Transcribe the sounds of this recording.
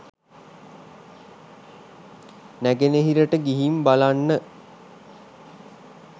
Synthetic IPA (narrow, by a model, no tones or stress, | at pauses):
næɡeneɦiɾəʈəɡiɦimbalanːə